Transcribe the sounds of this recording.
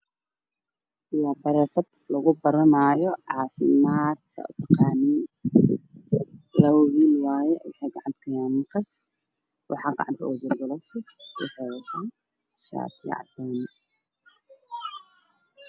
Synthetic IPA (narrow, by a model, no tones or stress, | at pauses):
ʔɪlaːbɐɾɛːθɐd̪lɐɣʊbɐɾɐnajɔʕɑːfɪmaːd̪kʰɐ̰ʊ̰t̪ʰɐqɑːniːn | lɐwwiːlwɑːjɛwɪħɛjɡɑʕɑnt̪ʰkʰɐjaːnmɐrkʰɐs | wʔɑ̰ħɑːɡɑ̰ʕɑ̰nt̪ʰɐʔɔd͡ʒɛrbɔlɔfɪsɛ̰ħɔt̪i | ʃa̰ːt̪ʰjɛ̰ʕɑ̰d̪ɛn